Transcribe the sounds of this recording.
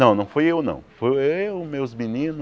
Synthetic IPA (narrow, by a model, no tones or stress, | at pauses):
nɐ̃w̃nɐ̃w̃fojewnɐ̰̃w̃fojeeʊmewzminĩnʊ